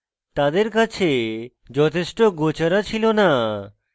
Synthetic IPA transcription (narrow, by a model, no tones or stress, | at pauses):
t̪ad̪eɾkat͡ɕʰe | d͡ʑɔt̪ʰeʃʈoɡot͡ɕaɾat͡ɕʰilona